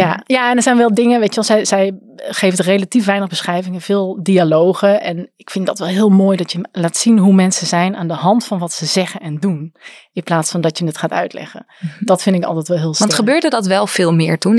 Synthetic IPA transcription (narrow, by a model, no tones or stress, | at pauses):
jajaɛndəɹzɛjnʋɛlˠdɪŋəʋeːtjəʋɛlˠzɛjz̥ɛj | χeːftrelatifʋɛjnəɣbəsχrɛjvɪŋəv̥ɪːlˠdialoːɣəʔɛnɪkfɪndɔtʋɛlˠɦɪːəlˠmoːjdɑtjəlaːtsinɦumɛnsəzɛjna̰ːndəɦɑntfɑnʋɑtsəzɛɣənɛndunɪnplaːtsfɑndɑtjənɪtxaːtœ̰ɥtlɛ̰xə̰ | d̥ɔtfɪndɪkɑ̰lˠtɛtʋɛlˠɦɪːlˠsʋntχəbøːɹdədɑtʋɛlˠfɪːlˠmɪːɹtun